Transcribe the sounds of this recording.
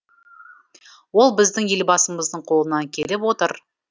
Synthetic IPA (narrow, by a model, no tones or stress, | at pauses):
wo̞lˠbɪzd̪ɪŋje̞lbɑsəməzd̪əɴqʰo̞lˠənɑŋkʲʰelɪpwo̞t̪əɾ